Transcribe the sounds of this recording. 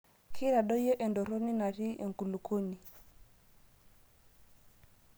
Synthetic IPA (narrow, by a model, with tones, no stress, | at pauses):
kʰi˦ɾa˨ɗɔ˦jɔ˦ʔe˨ndo˨ɾo˦ni˦na˨ɾi˦ʔḛ˨ŋ˨ku˨lu˨kʰo˦ni˨